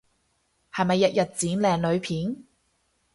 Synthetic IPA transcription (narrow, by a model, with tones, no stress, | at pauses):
hɐ˨jmɐ˨jːɐ˨t̚jɐ˨t̚t͡siː˨˥nlɛː˨ŋlɵ˨˧ɥpʰiː˨˥n